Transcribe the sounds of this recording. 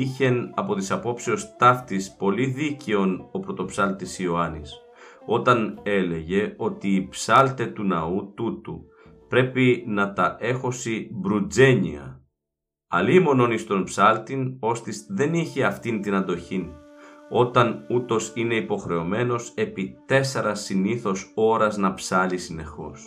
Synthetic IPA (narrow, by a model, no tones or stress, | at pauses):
içe̞nɐpo̞t̪isɐpo̞psiost̪ɐft̪ispo̞liðice̞o̞no̞pɾo̞t̪o̞psɐlt̪isio̞ɐnḭs | o̞t̪ɐne̞le̞ʝe̞o̞t̪iːpsɐlt̪e̞t̪unɐut̪ut̪u | pɾe̞pinɐt̪ɐʔe̞xo̞sibɾud͡ze̞ɲḭɐ̰ | ɐ̰liːmo̞no̞nist̪o̞npsɐlt̪ino̞st̪isðe̞niçeɐft̪int̪inɐnd̪o̞çino̞t̪ɐnut̪o̞sine̞ipo̞xɾe̞o̞me̞no̞se̞pit̪e̞seɾɐsiniθo̞so̞ɾɐznɐpsɐlisine̞xo̞̰s